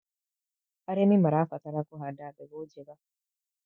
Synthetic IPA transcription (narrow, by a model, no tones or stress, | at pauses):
aɾemimaɾafat̪aɾakuɦadadeɡod͡ʒeβa